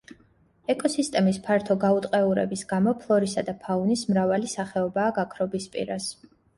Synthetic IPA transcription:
ɛkʼɔsist̪ʼɛmispʰaɾt̪ʰɔɡaut̪ʼqʼɛuɾɛ̰bisɡamɔpʰlˠɔɾisad̪apʰaunismɾavalisaχɛɔbaːɡakʰɾɔbispʼḭɾas

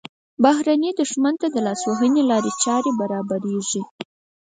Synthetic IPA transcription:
baɦɾaned̪ʊʂmant̪ad̪əlɑswoɦənelɑɾet͡ʃɑɾebaɾɑbaɾeʐi

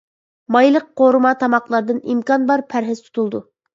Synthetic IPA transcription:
mɑjlˠəqqoɾɨmɑt̪ʰɑmɑqlˠɑɾd̪ɨnimkɑnbɑɾpʰæɾɦɪz̥t̪ʰu̥t̪ʰulˠd̪u

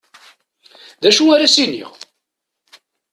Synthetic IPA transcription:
ðæʃuaɾæsinḭʁ

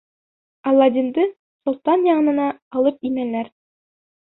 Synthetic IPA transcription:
ɑlˠɑd̪ʲind̪ɤ | sŭlˠt̪ɑnjɑɴɤ̆nɤ̆nɑːlˠɤp̚imælæɾ

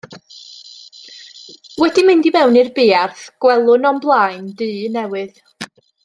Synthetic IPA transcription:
wɛdimɪndimɛwnɨrbɪːarθɡ̥wɛlˠʊnɔmblˠajndɨːnɛwɨð

